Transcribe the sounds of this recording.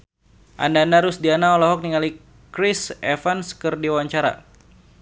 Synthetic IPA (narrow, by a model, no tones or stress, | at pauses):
ʔa̰ndaːndaɾʊsdianaɔlɔɦɔk̚niŋali | kɾisɛfanskərdiwaɲt͡ʃaɾa̰